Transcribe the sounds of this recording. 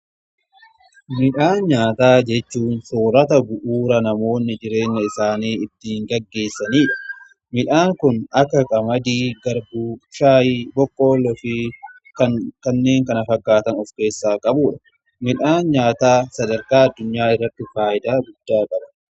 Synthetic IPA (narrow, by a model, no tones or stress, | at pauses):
mɪᶑaːnɲaːt̪aːd͡ʒɛt͡ʃːuːnsoːɾɐt̪ɐbʊʔuːɾɐnɐmo̞ːnːɪd͡ʒɪɾe̞ːŋːɐɪsaːniːɪt̪ːiːŋɡɐɡːe̞ːsːɐniːᶑɐ̥ | mɪᶑaːŋkʊnɐkːɐkʼɐmɐd̪iːɡɐɾbuːʃaːjiːbɔkːo̞ːlːɔfɪ | kɐkɐnːe̞ːŋkɐnɐfɐɡːaːt̪ɐnɔfke̞ːsːaːkʼɐbuːᶑɐ | mɪᶑaːnɲaːt̪aːsɐd̪ɐɾkaːɐd̪ːʊɲːaːɪrːɐt̪ːɪfaːʔɪd̪aːɡʊd̪̥ːaːkʼɐbɐ